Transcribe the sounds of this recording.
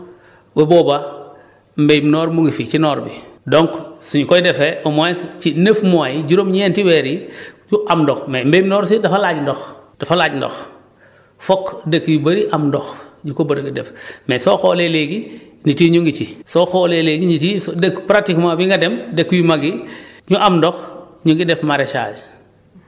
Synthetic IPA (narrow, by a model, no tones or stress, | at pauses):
bɐboːba | mbejmnɔːɾmuŋɡifit͡ʃinɔɾbidoŋksuɲukojdefeʔomoest͡ʃinefmoajiɟuɾomɲentiwɛɾiɲuʔamdɔxmembejimnɔːɾsidafalaːɟndɔxd̥afalaːɟndɔ̰x | fɔkdekːujibɐɾiʔamdɔxɲukobɐdɡidɛfmesɔːxoːleleɡi | nitiːɲuŋɡit͡ʃisɔxoːleleɡiɲitidekpɾatikmabiŋɡɐdemdekːujimaɡiɲuʔamndɔx | ɲuŋɡidɛfmaɾet͡ʃa̰ːd͡ʒ